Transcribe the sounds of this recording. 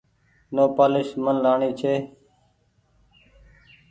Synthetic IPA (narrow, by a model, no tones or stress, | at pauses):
noːpaːlɪʃmənlaːɳiːt͡ʃʰeː